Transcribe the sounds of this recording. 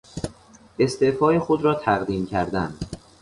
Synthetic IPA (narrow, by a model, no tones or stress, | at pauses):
e̞st̪efɒːjexod̪ɾɒːt̪ʰæɣd̪iːmcʰæɾd̪æn